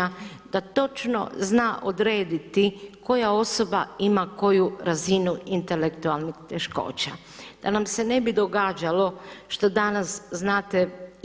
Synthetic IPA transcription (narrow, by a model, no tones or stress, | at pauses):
ad̪̥at̪o̞t͡ʃno̰znaːʔod̪ɾe̞ːd̪it̪iko̞jao̞so̞baimako̞juɾazinuint̪e̞lekt̪ualˠnixt̪eʃko̞̰ːt͡ɕa̰ | d̪̥anamse̞ne̞bid̪o̞ɡaːd͡ʒalo̞ʃt̪o̞d̪anasznaːt̪e